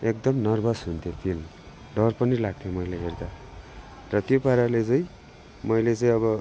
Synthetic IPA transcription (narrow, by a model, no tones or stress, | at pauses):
ek̚d̪ʌmnʌrbʌsɦunt̪ʰjopʰilm | ɖʌrpʌnilaɡ̚t̪ʰjomʌjleɦerd̪a | rʌt̪jopaɾalet͡sʌĩ | mʌjlet͡sʌĩʌbʌ